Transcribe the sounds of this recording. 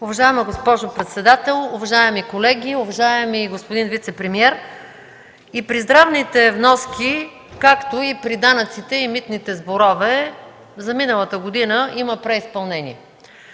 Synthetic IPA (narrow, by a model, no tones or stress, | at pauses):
ʊvɐʒaɛməɡospɔʒopɾɛt̪sɛd̪at̪ɛlˠʊvɐʒaɛmikolɛɡʲiʊvɐʒaɛmiɡospod̪invit̪sɛpɾɛmiɛɾ | ipɾizd̪ɾavnit̪ɛvnɔski | kakt̪oipɾid̪anət̪sit̪ɛimit̪nit̪ɛzboɾɔvɛ | zɐminəlˠət̪əɡod̪inəʔiməpɾɛispɐlˠnɛnḭɛ